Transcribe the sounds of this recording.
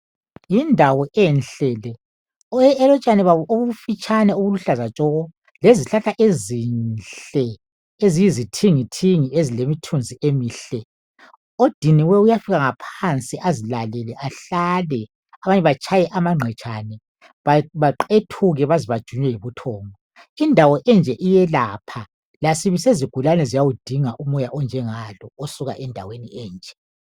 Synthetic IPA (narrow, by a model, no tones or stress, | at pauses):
jindʱawɔʔɛnɬɛːlɛ | ɛlɔt͡ʃʼanɛβaβɔʔoβuufit͡ʃʼʰanɛoβuluɬazat͡ʃʼɔːɣɔ | leziɬaɬaʔezinɬɬɛ | ezijizitʰiŋitʰiŋiezilemitʰund͡zʱiʔemiːɬɛ | od̥ʱiniwɛujafiɣaŋapʰant͡sʼiʔazilalɛlɛʔaɬalɛ | aβaɲɛβat͡ʃʰʼajɛʔamaŋ͡ǀʱɛt͡ʃʰʼanɛ | βaβaǃetʰuɣɛβaziβad̥ʒ̥ʱuɲwɛjiβutʰɔːŋɔ | indʱawɔʔɛnd͡ʒʱɛʔijɛlapʰa | lasiβiseziɡ̥ʱulanɛzijawud̥ʱiŋaʔumɔjaʔɔnd͡ʒʱɛŋalɔosuɣa̰ʔɛndʱa̰weniɛːnd͡ʒʱɛ